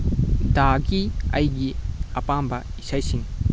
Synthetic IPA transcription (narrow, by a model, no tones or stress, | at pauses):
daɡiɐjɡiɐpambɐisajsiŋ